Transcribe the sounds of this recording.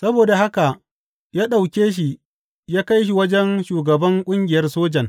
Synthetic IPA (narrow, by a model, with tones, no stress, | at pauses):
sɐ˦boː˨da˨ha˦ka˨ | jaː˦ɗa˨wkʲeː˦ʃ̬i˨ | jaː˦ka˦jʃ̬i˨wɐ˦d͡ʒɛ˦nʃuː˨ɡɐ˨bɐ˦ŋkʷʼʊ˦ŋɡʲɪ˨jɐ˦rsoː˦d͡ʒɐ˨ŋ